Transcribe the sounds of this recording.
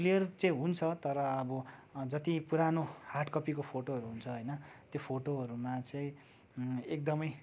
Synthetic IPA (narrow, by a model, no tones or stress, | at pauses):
lijʌrt͡sʌĩɦunt͡sʰʌt̪ʌɾʌːbʌd͡zʌt̪ipuɾanoharʈkʌpikopʰoʈoɦʌɾuɦunt͡sʰʌɦojnʌt̪jopʰoʈoɦʌɾumat͡sʌĩ | ek̚d̪ʌmʌj